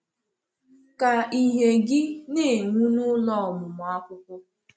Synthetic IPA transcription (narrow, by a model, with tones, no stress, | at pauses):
ka˨i˦ɦe˨ɡɪ˦nɪ˦˨ŋʷu˦nʊ˦lɔ˦˨mʊ˨m˨a˦kʷʊ˦kʷʊ˦